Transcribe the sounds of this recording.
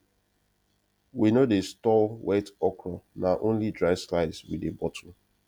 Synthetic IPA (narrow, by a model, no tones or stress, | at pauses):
winodestɔlwɛtɔkɹɔnaʔõnlidɹaɪslaɪdzwḭdebɔtʰɔm̩